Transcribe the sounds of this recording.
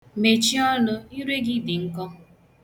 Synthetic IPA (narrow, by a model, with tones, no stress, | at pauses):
me˨t͡ʃi˦ɔ˦nʊ˦i˦ɾe˦ɡɪ˦di˨ŋ̩˦kɔ˦